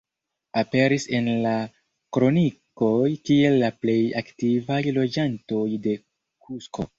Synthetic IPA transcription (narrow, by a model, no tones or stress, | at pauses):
ape̞ɾise̞nla | kɾo̞niko̞jkie̞lːaple̞jaktivajlo̞d͡ʒanto̞jde̞ | kʰusko̞̰